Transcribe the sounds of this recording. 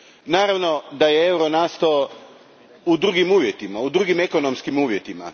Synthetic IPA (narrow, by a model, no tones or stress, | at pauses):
naːɾaʋno̞d̪aje̞e̞wɾonaːst̪oː | ud̪ɾuːɡimuːʋje̞t̪imaud̪ɾuːɡime̞ko̞no̞mskimuːʋje̞t̪ima̰